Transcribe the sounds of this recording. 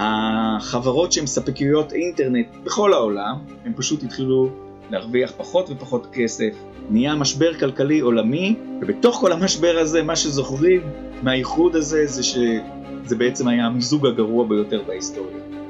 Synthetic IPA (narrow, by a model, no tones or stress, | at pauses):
haχavaʁo̞tʃeemsapikijujo̞tinte̞ʁne̞t̚beχo̞lhao̞lam | hempaʃuthitχilu | leaʁviaχpaχo̞tve̞paχo̞tke̞se̞f | nijamaʃbe̞ʁkalkalio̞lamivebeto̞χko̞lhamaʃbe̞ʁaze̞maʃezo̞χʁimː | eaiχudaze̞zeʃe | zebeet͡se̞majamizuɡaɡaʁuabejo̞te̞ʁbaisto̞ʁja